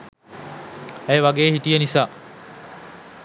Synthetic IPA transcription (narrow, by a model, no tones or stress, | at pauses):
ejʋaɡeːɦiʈijenisaː